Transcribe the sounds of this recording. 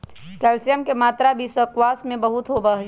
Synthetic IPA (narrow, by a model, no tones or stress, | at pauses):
ʈɛːlsijəmkemaːt̪ɾabʱisəkwaːsmẽbəɦʊt̪ɦoːbəɦɛ